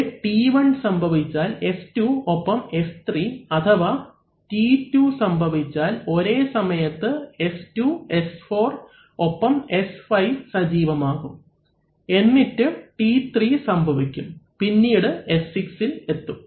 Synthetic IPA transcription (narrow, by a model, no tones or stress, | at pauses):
ʈiʋɐɳsɐmbʱɐʋit͡ɕːaːle̞stuopːɐme̞st̪ʰriɐt̪ʰɐʋaː | titːusɐmbʱɐʋit͡ɕːaːlo̞ɾe̞ːsɐmɐjɐt̪ːɨe̞stuesfo̞ːr | o̞pːɐme̞sfɐjʋsɐd͡ʑiːʋɐmaːɣum | e̞nːitːɨʈit̪riːsɐmbʱɐʋikʲːumpinːiːɽɨe̞sːiksile̞t̪ːum